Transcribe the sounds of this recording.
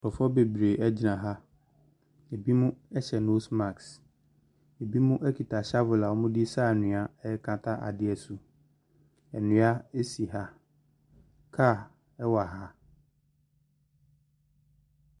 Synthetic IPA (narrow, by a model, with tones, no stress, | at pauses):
pɔ˨fɔ˦be˨bɾe˨ɛ˦d͡ʑi˨nã˨ɦa˦ | e˨bi˦mʊ̃˦ɛ˦ɕɛ˨no˦sma˨ks | e˨bi˦mʊ̃˦ʔɛ˦kʰi˨tʰa˨ɕa˦vʊ˨la˨wɔ˦mʊ̃˦di˦sa˦˨nʊ̃˨a˨ɛ˦ɛ˦kʰã˨tʰa˦ʔa̰˨dɪ˦ɛ˨sʊ˨ | ɛ˨nʊ̃˨˦a˦e˦si˨ɦa˦ | kʰa˦˨ | ɛ˦wa˨ɦa˦